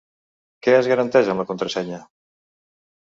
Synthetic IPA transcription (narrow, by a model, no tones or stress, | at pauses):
keazɣaɾant̪ɛzanlɐkont̪ɾasɛɲɐ